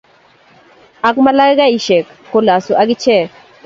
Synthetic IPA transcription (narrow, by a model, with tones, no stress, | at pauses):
a˨kma˦la˦ɡa˦i˨ʃe˨kːo˨la˨su˨ʔa˦ɡi˦t͡ʃɛ˦˨